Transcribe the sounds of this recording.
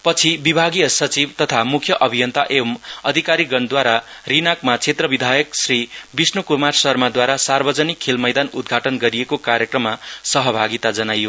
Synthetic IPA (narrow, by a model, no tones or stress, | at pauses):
pʌt͡sʰibibʱaɡijʌsʌt͡sibt̪ʌt̪ʰamukʰjʌʔʌbʱijʌnt̪aʔemʌd̪ʱikaɾiɡʌnd̪waɾarinakmat͡sʰet̪rʌbid̪ʱajʌksribisnukumarsʌrmad̪waɾasarbʌd͡zʌnikʰːelmʌjd̪anud̪̚ɡʱaʈʌnɡʌɾijekokaɾjʌkrʌmːasʌɦʌbʱaɡit̪ad͡zʌnajo